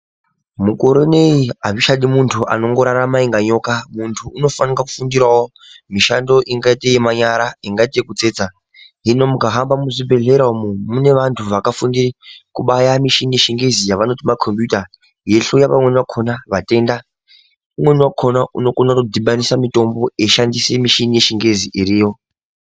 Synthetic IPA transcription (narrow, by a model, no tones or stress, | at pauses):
mukoɾone̞iaʋiʃaɗimuntʰuʔa̰no̞ŋɡo̞ɾaɾamaiŋɡaɲo̞kamuntʰuːno̞fanikaku̥fundirwawo | miʃando̞ʔiŋɡaitejimaɲaɾaiŋɡaitekut͡se̞ːd͡za | ɦino̞mukaɦambamuʐibʱe̞ɮe̞ɾaumumune̞ʋantʰuʋakafundirikuɓajamiʃinijeʃiŋɡe̞zijaʋano̞timakʰo̞mpjuta | je̞ɬujapamwe̞niwakʰo̞naʋate̞nda | umwe̞niwakʰo̞nauno̞konakudiɓanisamito̞mbo̞eʃandise̞miʃinije̞ʃiŋɡeziʔiɾiːjo̞